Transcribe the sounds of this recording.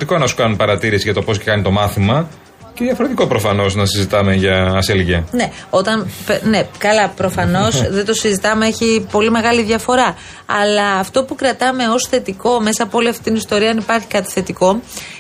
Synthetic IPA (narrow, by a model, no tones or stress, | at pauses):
t̪iko̞enɐsu̥kɐnunpɐɾɐt̪iɾisiʝɐt̪o̞po̞scekɐnit̪o̞mɐθimɐ | ceðjɐfo̞ɾe̞t̪iko̞pɾo̞fɐno̞snɐsizit̪ɐme̞ʝɐːselʝɐne̞o̞t̪ɐnpene̞kɐlɐpɾo̞fɐno̞sðe̞nt̪o̞sizit̪ɐmeeçipo̞lime̞ɣɐliðʝɐfo̞ɾɐ | ɐ̰lɐːft̪o̞pukɾɐt̪ɐme̞o̞sθe̞t̪iko̞me̞sɐːpoo̞liɐft̪it̪inist̪o̞ɾiɐɐnipɐɾçi̥kɐt̪i̥θe̞t̪iko̞